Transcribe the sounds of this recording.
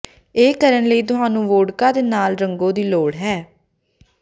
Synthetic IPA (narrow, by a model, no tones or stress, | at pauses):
eːkəɾənləiːt̪̬ʊɦaːnũːʋoːɽkãːd̪eːnaːlɾəŋɡõːd̪iːloːɽɦɛː